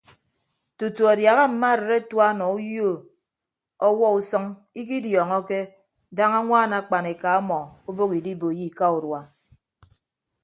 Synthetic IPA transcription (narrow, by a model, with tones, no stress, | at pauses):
tu˨tu˨a˨dja˨ɣa˦m̩˨ma˦˨ɾe˨ɾe˦twa˦nɔ˨u˦jo˦˨ | ɔ˦wɔ˦u˦sɔ˦ŋ | i˦k̬i˦djɔː˨ŋɔ˦ke˦ | da˦ŋa˦ŋʷaː˦˨na˨˦k͡pa˨ne˨ka˨ɔ˦mɔ˨o˦bo˦ki˨di˦bo˨ji˦ka˦u˨ɾwa˨